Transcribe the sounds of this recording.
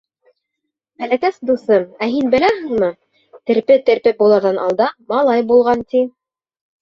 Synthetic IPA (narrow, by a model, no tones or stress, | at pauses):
hælækæsd̪usɤmæɦinbɘ̆læɦɘ̆ŋmɤ | t̪ɘ̆ɾpɘt̪ɘ̆ɾpɘp̚bulˠɤ̆ɾðɑnʔɑ̰lˠd̪ɑmɑlˠɑjbulˠʁɑnt̪i